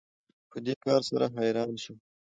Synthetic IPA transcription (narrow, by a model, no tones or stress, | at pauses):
pəd̪ekɑːɾsaɾaɦajɾɑːnʃu